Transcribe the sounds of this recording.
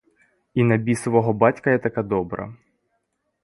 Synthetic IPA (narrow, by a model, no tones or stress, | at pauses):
inɐbʲisɔʋɔɦɔbɑtʲkɐjɛt̪ɐkad̪ɔbɾɐ̰